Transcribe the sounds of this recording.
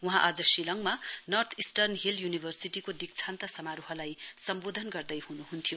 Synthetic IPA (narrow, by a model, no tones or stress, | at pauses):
wuɦãʔad͡zʌsilʌŋmanʌrt̪ʰisʈʌrnɦiljunibʱʌrsiʈikod̪ik̚t͡sʰant̪asʌmaɾuɦʌlajsʌmbod̪ʱʌnɡʌrd̪ʌjhunuɦunt̪ʰijo